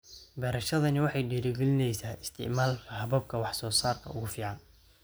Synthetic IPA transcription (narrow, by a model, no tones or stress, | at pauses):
bɛːɾɐʃɐðɐnɪwɑħɑjɖɛɾɛɡɛlɪnɛjsaːɪst̪ʰɪ̰ʕmaːlkʰɐɦɐβɐb̚kʰɐwɑħsɔːsaːrkʰɐ̰ʊɣʊfiːʕɑn